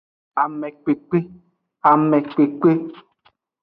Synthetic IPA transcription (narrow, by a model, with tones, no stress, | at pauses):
a˨mɛ̃˨k͡pe˨k͡pe˦ | a˨mɛ̃˨k͡pe˨k͡pe˦